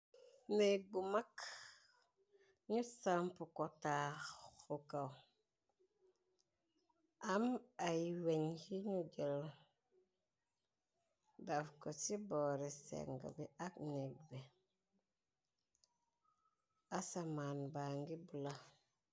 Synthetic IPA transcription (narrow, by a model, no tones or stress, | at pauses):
nek̚ɡumak | ɲusampukotaxxukaw | ʔamajiweɲhiɲuɟel | dafkosiboɾesḛŋɡa̰biʔakneɡ̚be | asamaːnbaŋɡibula